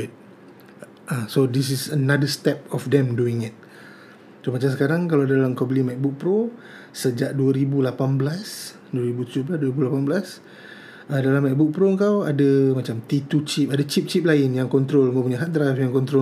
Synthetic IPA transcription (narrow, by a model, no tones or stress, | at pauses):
t̪̚ | ʔasodis̬isənadəst̪ɛp̚ɔfdɛ̃mduɪŋit̪̚ | somat͡ʃamsəkaɾaŋkalawadadalamkɔblimak̚buk̚pɾo | səd͡ʒaʔ̚duəɾibulapanbəlas | duəɾibut̪ud͡ʒʊhbəlasduəɾibulapanbəlas | ədalamak̚buk̚pɾoəŋkawadəmat͡ʃamt̪it̪ut͡ʃip̚adat͡ʃip̚t͡ʃip̚laɪnjaŋkɔnt̪ɾolŋɡap̬uɲaɦat̪ɾasjaŋkɔnt̪ɾo